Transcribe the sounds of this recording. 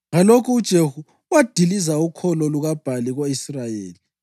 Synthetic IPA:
ŋalokʰuːd̥ʒ̥ʱehu | wad̥ʱilizaukʰɔlɔluɣab̥ʱaliɣoisrajeːli

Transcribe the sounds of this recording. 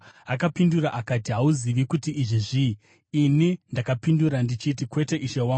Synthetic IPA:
akapinduraʔakatiɦauziʋikutiʔːʐiʐiː | nindakapinduɾandit͡ʃit̬ikwe̞te̞ʔiʃewaː

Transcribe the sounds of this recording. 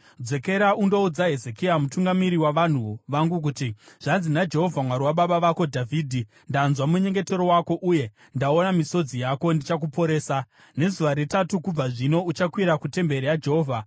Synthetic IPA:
d͡ze̞ke̞ɾaundo̞ud͡zaɦe̞ze̞kiamutuŋɡamiɾiwaʋan̤uʋaŋɡuk̬utiʐ̥anzinad͡ʒe̞ɦo̞vʱamwaɾiwaɓaɓaʋako̞dʱavʱiːdʱi | ndanzwamuɲe̞ŋɡe̞te̞ɾo̞wako̞ʔuje̞ | ndao̞namiso̞d͡zijako̞ndit͡ʃak̬upo̞ɾe̞ːsa | ne̞zuʋaɾetatukub͡vaʐino̞ut͡ʃakwiɾakute̞mbe̞ɾijad͡ʒeɦoːvʱa

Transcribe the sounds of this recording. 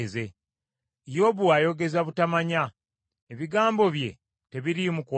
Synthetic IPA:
ze | jo̞ːβuajo̞ɡe̞zaβutamaɲa | eβiɡaːmbo̞βje̞ | te̞βiɾimuko

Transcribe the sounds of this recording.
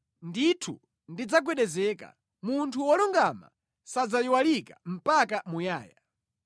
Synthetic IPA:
nditʰu | ndid͡zaɡ̬wɛɗɛzɛka̰ | muntʰuwɔlɔŋɡama̰ | sad͡zajiwalikam̩pakamujaːja̰

